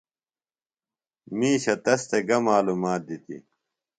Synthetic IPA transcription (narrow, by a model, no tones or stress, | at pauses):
miːɕɐt̪ɐst̪eɡɐmaːlumaːt̪̚d̪it̪ḭ